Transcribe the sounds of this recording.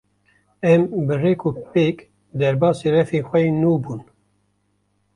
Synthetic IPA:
ɛmbɨreːkupek | d̪ɛɾbɑːsirɛfiːxʷɛjnuːbuːn

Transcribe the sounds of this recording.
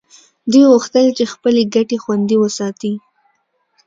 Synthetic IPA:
d̪ujɣuxt̪əlt͡ʃexpəleɡaʈexwand̪iwəsɑt̪i

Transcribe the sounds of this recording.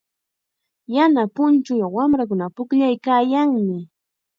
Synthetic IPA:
janapʊnt͡ʃʊjawamɾak̬ʊnapʊkʎajkaːjaŋmɪ

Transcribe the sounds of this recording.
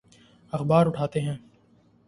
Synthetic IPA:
ɐxbaːɾʊʈʰaːt̪eɦɛ̃ː

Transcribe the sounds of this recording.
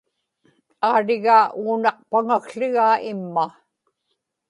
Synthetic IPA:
aːɻɪɣaːʔuːnɑq̚paŋakɬɪɣaːɪmːa

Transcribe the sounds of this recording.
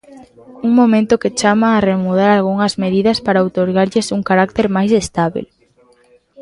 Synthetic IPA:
uŋmõmẽnt̪ʊket͡ʃamaːremuð̞aɾalɣ̞uŋɐzmeðiðɐspaɾaowt̪oɾɣaɾʎɪsuŋkaɾak̚t̪eɾmajsest̪aβḭl

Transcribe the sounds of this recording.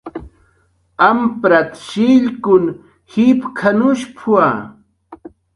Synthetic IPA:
ampɾat̪ʃiʎkʊn | hipkʰanʊʃpʰua

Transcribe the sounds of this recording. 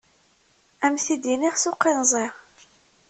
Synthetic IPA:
æmθid̪iniʁsʊqːinzˤiʁ

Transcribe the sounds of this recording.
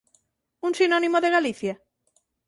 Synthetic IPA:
uŋsinɔnimoðeɣaliθja

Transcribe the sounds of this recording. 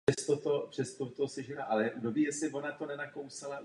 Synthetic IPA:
ɛst̪ot̪o̞pr̥ɛst̪ot̪osɛʒɛnaʔalɛjʔudobiːjɛsɪvo̞nat̪o̞nɛnako̞wsala

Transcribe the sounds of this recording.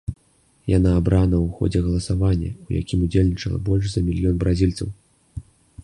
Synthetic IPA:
janaːbɾanɐwuxɔ̰d͡zʲɛɣɐlˠɐsavanʲːɐ̰uja̰kʲimud͡zʲelʲnʲit͡ʂɐlˠɐ̰bɔlʲʂzɐmʲilʲjɔnbɾʔazʲilʲt̪sɐw

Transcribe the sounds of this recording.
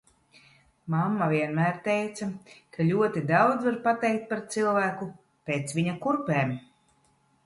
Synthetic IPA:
mamːaviɛnmæːɾt̪ɛjt̪sakʰalʲuɔt̪id̪awd̪zvaɾpat̪ɛjk̚t̪̚paɾt̪silˠvæːku | peːt̪sviɲakuɾpɛːm

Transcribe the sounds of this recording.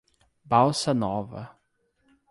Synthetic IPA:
bawsɐnɔvɐ̰

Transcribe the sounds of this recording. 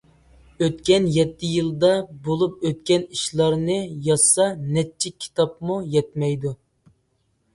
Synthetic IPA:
øt̪kʲɛnjɛt̪ːɪjilˠd̪ɑbolˠup̚øt̪kʲɛniʃlˠɑɾnɨjɑsɑnɛt͡ʃʰːikʲʰi̥t̪ʰɑpmujɛt̪̚mɛjd̪u

